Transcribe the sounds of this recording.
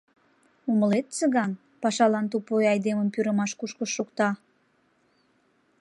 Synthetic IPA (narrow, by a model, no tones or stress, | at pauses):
uməlet̪t͡səɣɑn | pɑʃɑlɑnt̪̬upojɑjd̪eməmpyɾəmɑʃkuʃkəʃːukt̪ɑ